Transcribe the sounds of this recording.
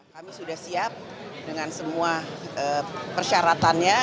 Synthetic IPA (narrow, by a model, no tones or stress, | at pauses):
kamisudahsiap̚ | dəŋansəmuaʔəpərʃaɾat̪anɲa